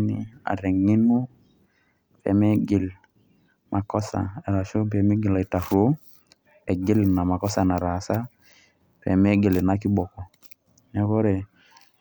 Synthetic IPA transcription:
nḭ˦a̰˨ɾɛ˨ŋi˦nu˦ | pɛ̰˨me˦ɡi˨l | mʔa˨kɔ˦sa̰˨e˨ɾa˨ʃo˦p̬ɛ˨me˦ɡi˨la˨i˨ta˨fu˦ | e˨ɡi˦lna˨ma˨kɔ˦sa˨na˨ɾa˨sa˦ | pɛ̰˨me˦ɡe˨le˨na˦ki˦ɓɔ˨kɔ˨ | nɛ˦kɔ˦ɾe˨

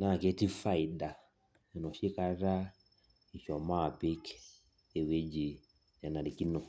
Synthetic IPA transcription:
na˦˨ke˦ti˦fa˦˨i˨da˨ | ɛ˨nɔ˨ʃi˦ka˦ɾa˦ | i˨ʃɔ˨ma˦˨be˦k | e˨we˦d͡ʒi˨ | ɛ˨na˨di˨ki˦nɔ˨

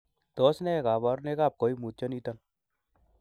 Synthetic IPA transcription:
t̪ɔ˨˦snɛ˦e˨kaː˨ba˦ɾne˦kaːp̚ko˨i˦mu˨t̪̚t͡ʃɔni˦t̪an

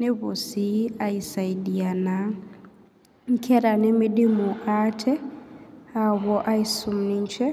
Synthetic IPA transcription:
ne˦βo˨si˦a˨i˨sa˨i˨ɗi˨a˨na˨ | ŋ̩˦kʰɛ˦ɾa˨nɪ˦mi˦ɗi˦mu˨ʔa˦tʰɛ˦ | a˨wɔ˦ʔa˦i˦su˨m̩ni˦ɲ˦t͡ʃɛ˦

